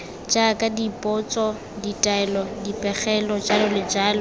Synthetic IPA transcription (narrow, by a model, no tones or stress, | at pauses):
d͡ʒakʼadipʼɔt͡sʼɔ | ditʼaɛlɔdipʼɛχɛlɔd͡ʒalɔlɪd͡ʒaːlɔ